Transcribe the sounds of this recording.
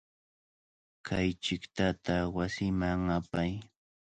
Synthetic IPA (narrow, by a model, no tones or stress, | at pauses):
kʰajt͡ʃɪkt̪at̪awasɪmaŋapaj